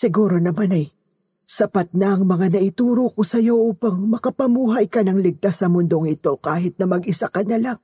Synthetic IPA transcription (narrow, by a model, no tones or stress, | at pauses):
sɪɡuːɾo̞nɐmanɐj | sɐpat̪̚nɐʔɐŋmɐŋanɐʔɪt̪uːɾoko̞sɐjo̞ʔuːpɐŋmɐkɐpɐmuːɦɐjkɐnɐŋlɪɡ̚t̪asːɐmʊnd̪o̞ŋɪt̪o̞kaːɦɪt̪̚nɐmɐɡʔɪsakɐnɐlaŋ